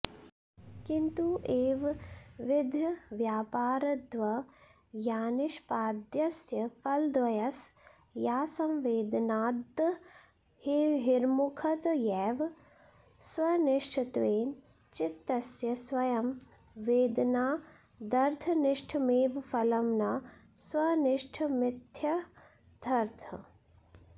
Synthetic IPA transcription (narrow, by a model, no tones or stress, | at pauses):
kint̪uʔeːʋʋɪd̪ʱjɐʋjaːpaːɾɐd̪ʋɐ | jaːnɪʃpaːd̪jɐsjɐfʰɐld̪ʋɐjɐs | jaːsɐmʋeːd̪ɐnaːd̪ | hiɦiɾmukʰɐt̪jɛːʋ | swɐnɪʂʈʰit̪ʋeːn | t͡ʃɪt̪ːɐsjɐswɐjɐm | ʋeːd̪naː | d̪ɐɾt̪ʰɐnɪʂʈʰmeːʋfʰɐlɐmna | swɐnɪʂʈʰmɪt̪ʰjɐ | d̪ʱɐɾt̪ʰɐ